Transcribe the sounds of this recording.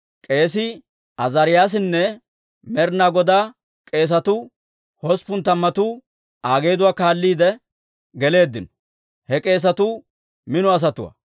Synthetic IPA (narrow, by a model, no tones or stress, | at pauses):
kʼe̞ːs̬ɪ | ɐzɐɾɪjaːs̬ɪnːɛ | mɛɾnaːɡɔd̪aː | kʼe̞ːs̬ɐt̪ʊ | hɔspʊnt̪ɐmːɐt̪ʊ | aːɡe̞ːd̪ʊwaːkaːlːiːd̪ɛ | ɡɛle̞ːd̪ːɪnɔ̥ | hɛkʼe̞ːs̬ɐt̪ʊ | mɪnɔɐs̬ɐt̪ʊwɐ̰